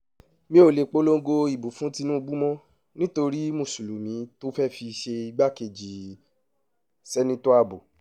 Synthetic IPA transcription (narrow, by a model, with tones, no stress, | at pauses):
mĩ˧˦o˨le˨k͡po˦lo˦ŋ̩˦ɡo˧i˨bu˨fũ˨˦ti˧˦nũ˦˧bu˦mɔ̃˦ | nĩ˦to˧ɾi˦mõ˨su˨lu˨mĩ˨˦to˦fɛ˦˨fi˧ʃe˧i˧ɡ͡ba˦ke˧˨d͡ʒi˨ | sɛ˦nĩ˦to˦a˧˨bo˨